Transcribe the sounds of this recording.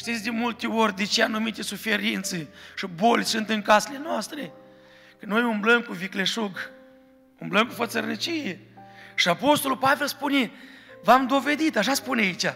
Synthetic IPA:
ʃt̪it̪sʲd̪emult̪eo̞rʲd̪et͡ʃeanumit̪esufeɾint̪seʃibolʲsunt̪ɨŋkasele̞noast̪ɾe | kəno̞jumbləmkuvikleʃuɡ | umbləmkufət̪sərnit͡ʃijeʃiapo̞st̪olulpave̞lspunevamd̪o̞ve̞d̪it̪aʃ̬aspuneait͡ʃa

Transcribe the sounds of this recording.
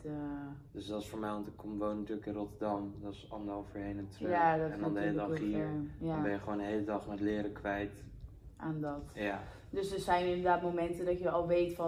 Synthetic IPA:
d̥øsdɔsfoːɹmɛjɔntəkʰomʋownətyːləkɪ̃nrotəɹdɑmdɔɪsɔndəɔfəɹɦejnɛntrjdɛndɔndelədɑχiːɹɔnbɛjəχʋowndəɦejlədɑχmɛtlɪːɾəkʋɛjt | ʔandɔtja | døsətsɛjnɪndəɹdaːtmowmɛntədɔtjəɔlˠʋejtfɔ

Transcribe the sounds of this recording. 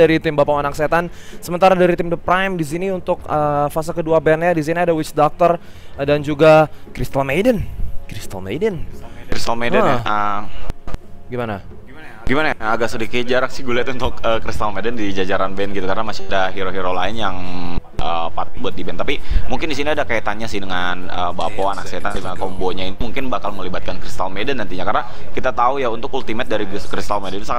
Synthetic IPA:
aɾit̪ɪmbapamanakset̪an | səmənt̪aɾadaɾit̪ɪmdəpɾajmdisiniunt̪ʊkəfas̬akəduabɛnjadis̬iniadawɪt͡ʃdak̚t̪ərdand͡ʒuɡakɾist̪əlmejdənkɾist̪əlmḛjdənɾist̪əlmedənə | ɡimana | ɡimanajaaɡaksudikɪt̪̚d͡ʒaɾaksɪhɡulɛt̪unt̪ʊkəkɾist̪almedɛndid͡ʒad͡ʒaɾanbɛnɡit̪ukarnamasi̥adaɦiɾoɦiɾolaɪnjaŋ | ə | pat̪̚buat̪̚dibɛnt̪apimuŋkɪndisiniadakaat̪anɲasɪhdəŋan | əbapoanakset̪adimankɔmboɲaint̪umuŋkɪnbakalməlibat̪̚kankɾist̪almedɛnːant̪iɲakarna | kit̪at̪aujaunt̪ʊkult̪imɛt̪̚daɾiɡkɾist̪almedɛnsaŋa

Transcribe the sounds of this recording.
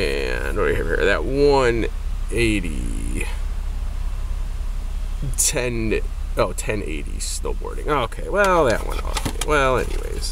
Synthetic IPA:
ɨ̃nwə˞ɨɨvḭɹðɨt̚wʌ̃n | eɪɾḭ | tʰɛ̃noʊtʰɛ̃nḛɪɾḭsnoʊbɔ̰ɹɾɪ̃ŋoʊkʰeɪwɛlˠðɨʔ̚wʔʌ̰̃no̰ʊkʰeɪwʔɛlˠɛ̰nḭwḛɪz̥

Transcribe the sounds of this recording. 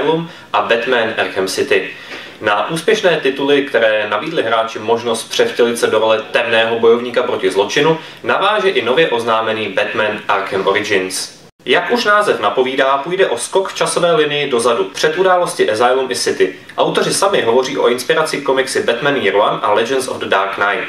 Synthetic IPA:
lum | ʔabɛt̪mɛnʔɛɾxɛmsɪt̪ɪ | naʔuːspjɛʃnɛːt̪ɪt̪ulɪkt̪ɛɾɛːnabiːdlɪɦɾaːt͡ʃɪmo̞ʒno̞st̪̚pr̝̥ɛfcɛlɪt̪sɛdoɾolɛt̪ɛmnɛːɦo̞bo̞jo̞vɲiːkapɾo̞cɪzlo̞t͡ʃɪnu | navaːʒɛʔɪno̞vjɛʔo̞znaːmɛniːbɛt̪mɛnʔaɾxɛmʔoɾɪd͡ʒɪns | jakʔuʃnaːzɛfnapo̞viːdaːpuːjdɛʔo̞skokft͡ʃaso̞vɛːlɪnɪjɪdo̞zadupr̝̥ɛt̪ʔudaːlo̞scɪʔɛzajlumʔɪsɪt̪ɪ | ʔawt̪o̞r̝ɪsamɪɦo̞vo̞riːʔo̞̰ʔɪnspɪɾat͡sɪko̞mɪksɪbɛt̪mɛnjiɾanʔalɛd͡ʒɛnso̰vddaːɾknajt̪

